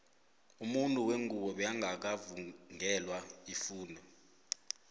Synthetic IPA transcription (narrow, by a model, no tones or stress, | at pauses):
umuntʼuweŋuɓɔɓɛjaŋʱak̬avuŋɛlwaifuːndʱɔ